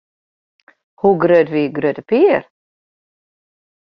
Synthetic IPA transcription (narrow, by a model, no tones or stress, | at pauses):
huɡɾød̪viɡɾød̪əpʰiːəɾ